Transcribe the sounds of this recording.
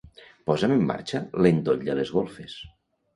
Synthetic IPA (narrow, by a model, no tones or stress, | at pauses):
pɔzəmemːa̰ɾt͡ʃəlend̪oʎd̪əlezɣolˠfes